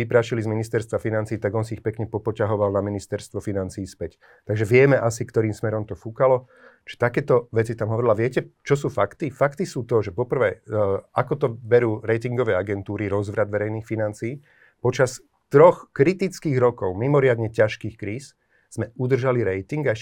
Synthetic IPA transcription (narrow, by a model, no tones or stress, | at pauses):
ipɾaːʃilizminist̪ɛɾst̪ʋafinant͡siːt̪aɡɔnsiːxpɛkɲɛpɔpɔcaɦɔʋalnaminist̪ɛɾst̪ʋɔfinant͡siːspɛc | t̪aɡʒɛʋɪɛmɛʔasikt̪ɔɾiːmsmɛɾɔmt̪ɔfukalɔ | t͡ʃɛ̥t̪akɛːt̪ɔʋɛt͡sit̪amɦɔʋɔɾilaʋɪɛcɛt͡ʃɔs̬uːfakt̪ifakt̪isuːt̪ɔʒɛpɔpr̩ʋɛːakɔt̪ɔbɛɾuːɾɛjt̪iŋɡɔʋɛːaɡɛnt̪uːɾiɾɔzʋɾad̪ʋɛɾɛjniːxfinant͡siː | pɔt͡ʃas | t̪ɾɔxkɾit̪it͡skiːɣɾɔkɔʊmimɔɾɪad̪ɲɛcaʃkiːxkɾiːs | z̥mɛud̪r̩ʒaliɾɛjt̪iŋɡaɛ